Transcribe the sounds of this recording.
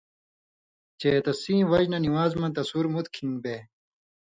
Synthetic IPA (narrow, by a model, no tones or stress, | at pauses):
t͡ɕeːt̪ɐsĩːwɐʑnɐniwaːzmɐ̃t̪ɐsuɾmut̪kʰiŋbe